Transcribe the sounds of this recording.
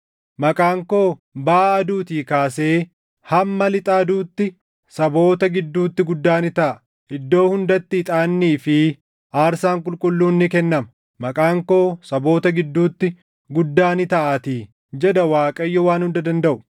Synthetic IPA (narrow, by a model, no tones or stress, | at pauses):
mɐkʼaːŋko̞ːbaːɐd̪uːt̪iːkaːse̞ː | hɐmːɐlɪt̪ʼaːd̪uːt̪ːɪ | sɐbo̞ːt̪ɐɡɪd̪ːuːt̪ːɪɡʊd̪ːaːnɪt̪ɐʔɐ | ʔɪd̪ːo̞ːhʊnd̪ɐt̪ːɪɪt̪ʼaːnːiːfɪ | ʔaːɾsaːŋkʼʊlkʼʊlːuːnːɪkɛnːɐmɐ̥ | mɐkʼaːŋko̞ːsɐbo̞ːt̪ɐɡɪd̪ːuːt̪ːɪ | ɡʊd̪ːaːnɪt̪ɐʔaːt̪iː | d͡ʒɛd̪ɐwaːkʼɐjːɔwaːnhʊnd̪ɐd̪ɐnd̪ɐʔʊ̥